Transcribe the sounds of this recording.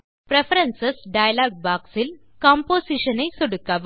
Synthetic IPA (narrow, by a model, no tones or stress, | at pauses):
pɾefɐɾɐnsɐsɖɐjɐlaːɡ̚baːksil | kaːmpoːsiʂɐnɐɪsoɽukːaːʋ